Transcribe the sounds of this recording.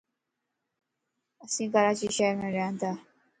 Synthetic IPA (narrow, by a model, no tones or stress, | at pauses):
əsĩːkəɾaːt͡ʃiʃɛːɾmẽɾɛɦãnt̪aː